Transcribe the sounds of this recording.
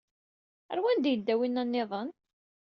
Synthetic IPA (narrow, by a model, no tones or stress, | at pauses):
æ̰ɾwænd̪jəd̪ːæwinːænːɪðˤən